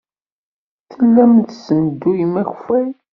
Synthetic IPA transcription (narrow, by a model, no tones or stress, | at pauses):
θəlːæmθsənd̪ːujimæçfæj